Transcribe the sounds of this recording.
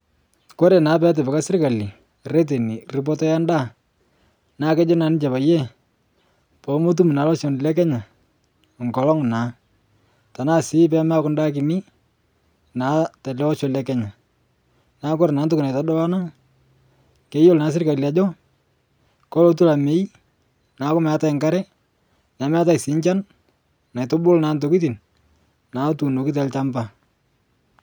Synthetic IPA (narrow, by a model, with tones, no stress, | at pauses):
ko˦ɾe˨na˨˦p̬ɛ˦t̬ɪ˨pɪ˨ka˦sɪ˦rka˨li˨ | re˦t̬e˨ni˨rɪ˨p̬ɔ˦tɔ˦ja˦nda˦˨ | na˦kɛ˦d͡ʒɔ˦na˨˦nɪ˦t͡ʃɛ˨pa˨jɛ˦ | pɔ˨˦mo˦t̬u˦mu˨na˨˦lɔ˦ʃɔ˨n˨lɛ˦k̬ɛ˦ɲa˨ | ŋkɔ˨lɔ˦ŋ˨na˨˦ | ta˨naː˦˨sɪ˦p̬ɛ˦ma˦kʊ˦nda˦k̬ɪ˨ni˦ | na˨˦tɛ˨lɛ˦ɔ˦ʃo˨lɛ˦kɛ˦ɲa˨ | na˨˦kʊ˦ɾna˨˦ntʊ˦ku˨na˨jta˦dɔ˦la˦na˦ | ke˨˦jo˦lna˨˦s̬ɪ˦rka˨lja˨d͡ʒɔ˦ | kɔ˦lo˨˦t̬u˦la˨me˨˦i˦ | na˨˦kʊ˦mɛ˨a˦ta˦ɪ˨ŋka˦ɾɛ˦ | na˨˦mɛ˦a˦ta˦˨sɪ˨˦ɲt͡ʃa˦n | na˨ɪtʊ˦bʊ˦lna˨nto˨ki˦t̬i˨n | na˨˦tu˨no˨ki˦t̬ɛ˦lt͡ʃa˦mba˨